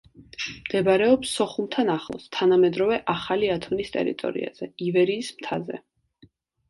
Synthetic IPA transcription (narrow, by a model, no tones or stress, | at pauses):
md̪̥ɛbɾɛɔpsːɔχumt̪ʰanaχlˠɔ̰st̪ʰanamɛd̪ɾɔvɛʔaχaliat̪ʰmnist̪ʼɛ̰ɾḭt̪ʼɔ̰ɾḭa̰z̥ɛivɛɾiːsmt̪ʰazɛ̰